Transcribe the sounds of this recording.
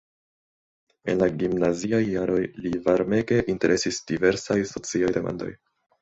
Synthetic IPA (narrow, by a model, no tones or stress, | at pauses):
e̞̰nlaɡimnaziajːaɾo̞jlivaɾme̞ɡe̞ʔinte̞ɾʔe̞sisd̥ive̞ɾsajso̞t͡siajde̞ma̰ndo̞̰j